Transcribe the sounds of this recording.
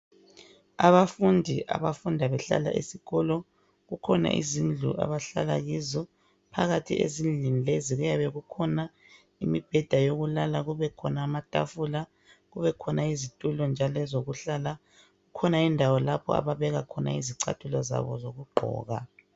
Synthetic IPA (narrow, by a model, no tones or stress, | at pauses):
aβafundʱiʔa̰βafundʱaβɛɬa̰la̰ʔḭsiɣɔlɔ | ɣukʰɔna̰ʔḭzind͡ɮʱṵʔa̰βaɬa̰la̰ɣizɔ | pʰaɣatʰḭʔḛzind͡ɮʱinileziɣujaβɛɣukʰɔna | imib̥ʱɛd̥ʱajoɣulalaɣuβɛkʰɔnaːmatʼa̰fula | ɣuβɛkʰɔnaizitʼulɔnd͡ʒʱalɔɛzoɣuɬala | ɣukʰɔnaindʱawɔlapʰɔ̰a̰βaβɛɣakʰɔna̰iziǀa̰tʰulɔza̰βɔ̰zoɣuɡ͡ǃʱɔ̰ːɣa̰